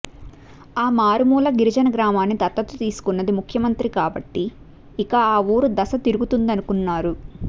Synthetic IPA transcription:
aːmaːɾumuːlɐɡiɾid͡ʒɐnɐɡɾaːmaːnːit̪ɐt̪ːɐt̪ːut̪iːsu̥kunːɐd̪imukʰjɐmɐnt̪ɾikaːbɐʈːiː | kɐaːuːɾud̪ɐsɐt̪iɾuɡut̪und̪ɐnukunːaːɾu

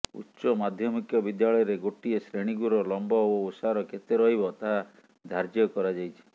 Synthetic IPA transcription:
ṵtːʃɔmad̪ʱjɔmikjɔbid̪jaɭɔjɔɾeɡoʈiesɾeɽ̃iɡuɾɔlɔmbɔoosaɾɔket̪eɾɔɦibɔt̪aɦa | d̪ʱaɾd͡ʒɔkɔɾad͡ʒajt͡ʃʰi̥

